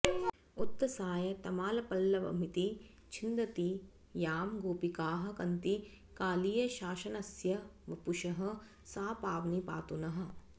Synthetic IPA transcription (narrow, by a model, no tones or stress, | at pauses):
ut̪ːɐsaːjɐt̪ɐmaːlɐpɐlːɐʋɐ̰m̤it̪i | t͡ʃʰind̪ɐt̪i | jaːmɡoːpikaːɦɐ̆kɐnt̪i | kaːlijɐʃaːʃɐnɐsjɐʋɐpuʃɐɦɐ̆ | saːpaːʋnipa̰ːt̪unɐɦɐ̆